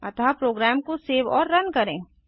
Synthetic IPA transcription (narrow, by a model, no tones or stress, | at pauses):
ɐt̪apɾoːɡɾɛːmkoseːʋɔ̰ːɾːɐnkɐɾẽː